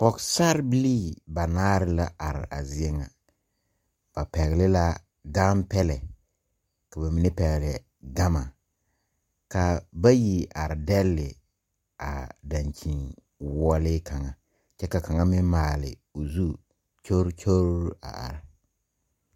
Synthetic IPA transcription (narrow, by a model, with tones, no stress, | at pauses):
pɔ˨ksa˦ɾbi˦liː˦ba˨naː˦ɾɪ˦la˦a˨ɾɪ̰˨a˨zɪ˦ɛ˦ŋa˨ | b̥a˨pɛ˨ɣlɪ˦la˦ | ɡaː˦mpɛ˦lɛ˨ | ka˨ba˨mi˨nɛ˦pɛ˨ɣlɛ˨ | ɡa˦ma˨ | ka˨ba˦ji˨ʔa˨ɾɪ˨dɛ˦lːɪ˨ | a̰˨da˨nt͡ʃi˨ŋ | wɔː˦lɪ˦kʰa˨ŋa˨ | t͡ʃɛ˦ka˨ka˨ŋa˦mɪ˦m˦maː˨lɪ̰˨o˨zu˦ | t͡ʃo˦ɾt͡ʃʰo˦ɾa̰˨a̰˨ɾɪ˨